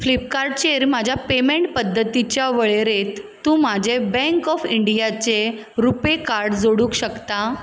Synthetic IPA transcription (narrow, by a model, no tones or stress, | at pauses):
flip̚kaɾɖt͡ɕeɾmad͡ʑʱjapemeɳʈ̚pəd̪ʱːət̪it͡ɕjaʋəɭeɾet̪ːũːmad͡ʑʱebɛ̃ŋkɔfiɳɖijat͡se | ɾupekaɾɖd͡zoɽũːkɕəkt̪a